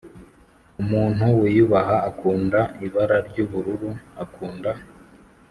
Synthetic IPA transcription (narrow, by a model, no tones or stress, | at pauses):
umuːn̥huwijuβaɦaːkʰuːndaiβaɾaɾɟuːβuɾuɾuakuːnda